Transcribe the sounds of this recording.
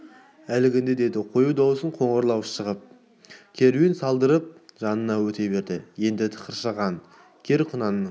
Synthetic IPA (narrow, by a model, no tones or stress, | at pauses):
ælɪɡʲɪnd̪e̞d̪e̞d̪ɪqʰo̞jud̪ɑwəsəɴqʰo̞ɴʁəɾlˠɑwʃəʁəp̚ | kʲʰe̞ɾuɪnsɑlˠd̪əɾəp̚ʒ̥ɑnənɑwɵt̪e̞be̞ɾd̪ɪje̞nd̪ɪt̪ʰə̥qəɾʃɑʁɑn | kʲʰe̞ɾqʰʊnɑnə